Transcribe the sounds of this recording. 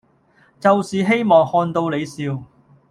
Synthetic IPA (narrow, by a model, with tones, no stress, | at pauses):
t͡sɐ˨wsiː˨ɦe˥jmɔː˨˩ŋhɔː˧nt̪o˧wle˨˧jsiː˧w